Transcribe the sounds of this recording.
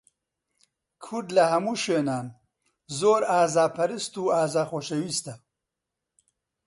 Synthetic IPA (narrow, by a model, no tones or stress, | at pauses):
kʰud̪lahɐmuʃwenaːn | zoːɾaːzaːpʰɐɾist̪uaːzaːxoːʃɐwist̪a